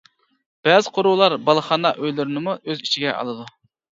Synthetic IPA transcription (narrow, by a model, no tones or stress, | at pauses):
b̥ɛzɪqʰoɾuwlˠɑɾbɑlˠəχɑnɑʔøjlyɾɪnɪmuʔøzit͡ʃʰiɡʲɛ̰ʔɑ̰lˠɨd̪u